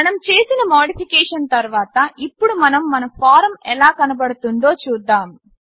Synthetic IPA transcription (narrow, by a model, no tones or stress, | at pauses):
ɐnɐmt͡ʃe̞ːsinɐmoːɽipʰikɛːʂɐnt̪ɐɾuʋaːt̪ɐʔipːuɽumɐnɐmːɐnɐpʰaːɾɐmɛlaːkɐnɐbɐɽut̪und̪o̞ːt͡ʃuːd̪ːaːm